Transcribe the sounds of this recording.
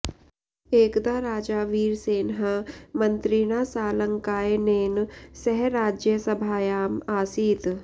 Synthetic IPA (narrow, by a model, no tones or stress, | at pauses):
eːkd̪aɾaːd͡ʒaːʋiːɾseːnɦəmɐ̃nt̪ɾiñaːsaːlə̃ŋkaːeneːnsɛɦɾaːd͡ʒjəsɐbʱaːjaːmaːsiːt̪